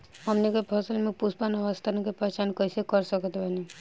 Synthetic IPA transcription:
ɦəmnikepʰəsəlmẽpuspanəʋəst̪ʰankepət͡ʃankəɪsekəɾsəkət̪bʱəni

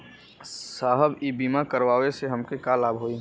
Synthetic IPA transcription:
saːɦəbibiːmakəɾʋaːʋeseɦəmkekalaːbɦoːi

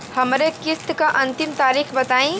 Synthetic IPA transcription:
həmɾekist̪kaʔənt̪imt̪aɾikʰbət̪aĩ

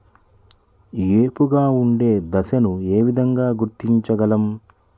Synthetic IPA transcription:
jeːpuɡaːuɳɖe̞ːd̪ɐsɐnue̞ːʋid̪ʱɐŋɡaːɡuɾt̪ːiɲt͡ʃɐɡɐlɐm

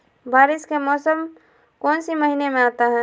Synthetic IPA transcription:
baːɾɪskemɔːsəm | kɔːnsiməɦiːnemẽaːt̪aɦɛ̃ː

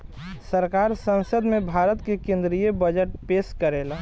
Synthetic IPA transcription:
səɾkaːɾsə̃nsəd̪mẽbʱaːɾət̪kekẽnd̪ɾijebəd͡ʒəʈ̚peːskəɾeːl

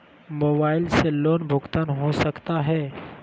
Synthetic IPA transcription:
moːbaːɪlseloːnbʱʊɡt̪aːnɦosəkt̪aɦɛː

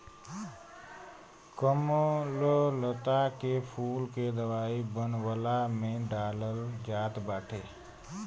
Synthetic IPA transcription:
kəmololət̪akepʰuːlked̪əwaːibənwəlamẽɖaːləld͡ʒaːt̪baːʈʰeː

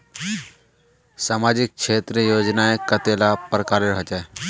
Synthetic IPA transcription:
saːmaːd͡ʒɪk̚kʃʰeːt̪ɾiəjoːd͡ʒnaekət̪elapɾəkaːɾeɾɦɔt͡ʃae

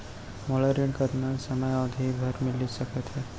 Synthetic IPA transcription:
moləɾiʈkəɾnasəməjad̪ʱibʱəɾmɪlisəkət̪ɦɛ

